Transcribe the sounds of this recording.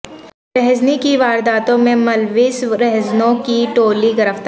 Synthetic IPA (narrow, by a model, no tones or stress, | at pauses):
ɾɛɦznikiʋaːɾd̪aːt̪õmẽmɐlʋɪsɾɛɦznõkiʈoːliɡɐɾəʋt̪